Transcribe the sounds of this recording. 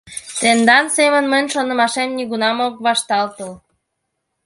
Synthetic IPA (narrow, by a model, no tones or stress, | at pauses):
t̪end̪ɑnsemənmənʲʃonə̆mɑʃemniɣunɑmokβɑʃt̪ɑlt̪əl